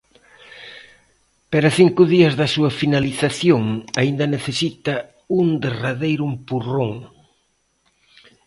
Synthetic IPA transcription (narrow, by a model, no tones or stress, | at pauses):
paɾɐθiŋkʊðiɐzðɐsuɐfinaliθaθjoŋaind̪ɐneθesit̪ɐ | und̪eraðejɾʊmpuroŋ